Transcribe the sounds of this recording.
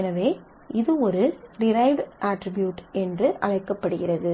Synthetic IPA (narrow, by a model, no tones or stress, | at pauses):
ɛnɐʋeː | ʔɪðɯɔɾɯɖɪɾɐɪʋɖʔaːʈɾɪbjuːʈɛndrɯʔɐ̰ɻɐɪkːɐpːɐɽɯɣɪrɐðɯ